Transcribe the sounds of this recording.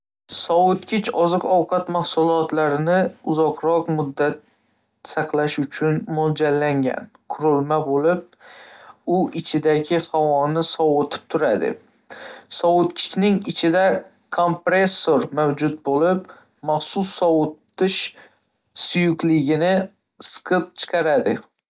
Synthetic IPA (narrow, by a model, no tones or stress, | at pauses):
sɒʊt̪kʲʰɪt͡ʃɒzɨqɒwqʰɑt̪mahsʊlˠɒt̪laɾɪnɪʊzɒqɾɒqmʊd̪ːat̪̚ | sɑqlaʃʊt͡ʃʰʊnmold͡ʒalːaŋɡʲa̰n | kʰʊɾɪlmabolɪp̚ | ʊʔɪt͡ʃʰɪd̪aɡʲɪhawɒnɪsɒwot̪ʰɪ̥p̚t̪ʰʊɾad̪ɪ̰ | sɒwʊt̪kʲʰɪ̥t͡ʃnɪŋɪt͡ʃʰɪd̪a | kʰompɾesːoɾmawd͡ʒʊt̪̚bolɪp | maχsʊsːɒwʊt̪ː | ɪʃ | sʊjʊkʲlɪɡʲɪnɪ | sɨ̥qʰɨp̚t͡ʃʰɨ̥qʰɑɾad̪ɪ